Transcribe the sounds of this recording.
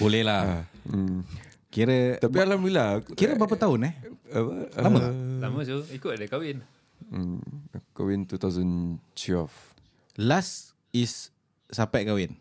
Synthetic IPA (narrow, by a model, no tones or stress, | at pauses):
bolɛhla | kiɾət̪apialamilakiɾəbap̬ət̪aʊnɛh | aməlaməsuikʊt̪̚dəkawɪn̩ | kawint̪ut̪awzənt͡ʃwɛlf | las | isː | apɛʔkawɪn